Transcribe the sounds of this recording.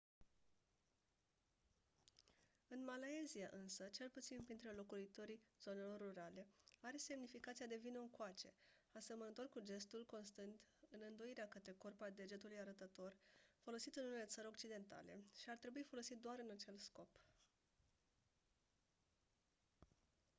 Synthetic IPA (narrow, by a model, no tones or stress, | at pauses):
ɨnmalae̞ziaʔɨnsət͡ʃe̞lput̪sinpɾint̪ɾelo̞kuit̪o̞ɾiz̥o̞ne̞lo̞rːuɾale̞aɾe̞se̞mnifikat̪sijad̪e̞vineɨŋkoat͡ʃe̞̰ | asemənət̪o̞rkud͡ʒe̞st̪ulko̞nst̪ɨnt̪ɨnɨnd̪o̞iɾeakət̪ɾe̞korpad̪e̞d͡ʒe̞t̪ulujaɾət̪ət̪o̞rfo̞lo̞sit̪ɨnunele̞t̪səɾʲo̞k̚t͡ʃid̪e̞nt̪a̰le̞̰ʃiart̪ɾe̞buifo̞lo̞sit̪̚d̪oaɾɨnat͡ʃe̞lsko̞p